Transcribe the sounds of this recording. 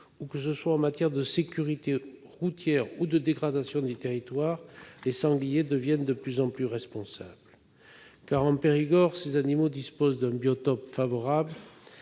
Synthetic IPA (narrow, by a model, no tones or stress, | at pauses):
ukəs̬əswaɑ̃mat̪jɛʁd̪əsekʲyʁit̪e | ʁut̪jɛʁud̪əd̪eɡʁad̪asjɔ̃d̪yt̪eʁit̪waʁlesɑ̃ɡlijed̪əvjɛnd̪əplyzɑ̃plyʁɛspɔ̃sabl | kaʁɑ̃peʁiɡɔʁsezanimod̪ispozd̪ɛ̃bjɔt̪ɔpfavɔʁabl